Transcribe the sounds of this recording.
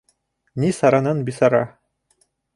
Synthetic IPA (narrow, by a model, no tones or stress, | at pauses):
nisɑɾanɤnbisɑɾɑ